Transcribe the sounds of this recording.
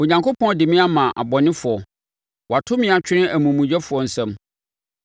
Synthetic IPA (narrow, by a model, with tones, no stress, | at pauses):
o˨ɲã˨ŋko˦pʰɔ̃˦dɪ˨mɪ̃˦a˦mã˨ʔa̰˨bɔ˨nɪ̃˦fʊ˨ɔ˨ | wɔ˨a˨tʰʊ˦mɪ̃˦a˨t͡ɕᶣɪ˦nɪ̃˦ʔæ˨mũ˨mũ˨d͡ʑɛ˦fʊ˨ɔ˨n̩˨sɛ̃˦m